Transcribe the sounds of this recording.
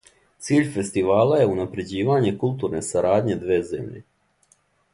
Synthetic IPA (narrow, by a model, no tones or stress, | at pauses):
t̪siːʎʲfe̞st̪iʋaːlaje̞unapɾe̞d͡ʑiːʋaɲe̞kulˠt̪uːɾne̞saɾaːd̪ɲe̞d̪ʋe̞ːze̞̰mʎe̞̰